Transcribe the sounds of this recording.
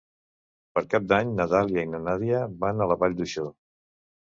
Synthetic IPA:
pəɾkap̚d̪aɲnət̪aljəinənaðiəβanələβaʎd̪uʃo

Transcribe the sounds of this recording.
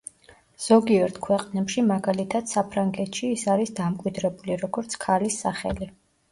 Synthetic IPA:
z̥ɔɡiɛɾt̪ʰkʰwɛqʼnɛpʃimaɡalit̪ʰad̪̥sapʰɾaŋɡɛt̪ʰʃiːsaɾisd̪amkʼwid̪ɾɛbuliɾɔɡɔɾt̪sʰkʰalisːaχɛ̰li

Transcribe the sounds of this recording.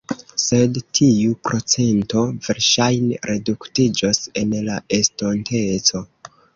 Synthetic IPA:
se̞dtʰiupɾo̞t͡se̞nto̞ve̞ɾʃajneɾʔe̞duktid͡ʒose̞nlae̞stontʰe̞t͡so̞

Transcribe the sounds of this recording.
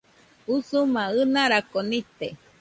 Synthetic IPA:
usumãɨnaɾakonit̪e

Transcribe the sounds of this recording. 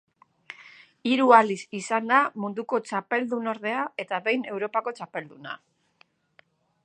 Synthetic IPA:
iɾualisisand̪amund̪uko̞t͡ʃape̞ld̪uno̞ɾðe̞ae̞t̪aβe̞jne̞wɾo̞pako̞t͡ʃape̞ld̪una̰

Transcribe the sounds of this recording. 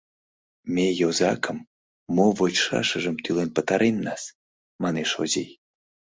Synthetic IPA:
mʲejozɑkʰəmː | ovot͡ɕʃɑ̰ʃəʒə̆mt̪ylenpə̆t̪ɑɾʔenːɑs | mɑneʃozej

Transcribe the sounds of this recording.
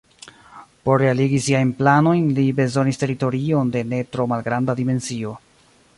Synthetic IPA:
po̞ɾːe̞aliɡisiajnplano̞jnlibe̞zo̞niste̞ɾito̞ɾio̞nde̞ne̞tɾo̞malɡɾandadime̞nt͡sio̞

